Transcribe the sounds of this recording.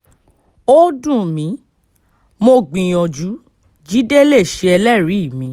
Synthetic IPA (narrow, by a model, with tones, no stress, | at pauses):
o˦dũ˦˨mĩ˨˦ | mo˧ɡ͡bĩ˨j̃ɔ̃˨d͡ʒu˨˦ | d͡ʒi˦de˦le˦˨ʃe˧˦ɛ˧lɛ˦˨ɾi˨˦i˦˨mĩ˨˦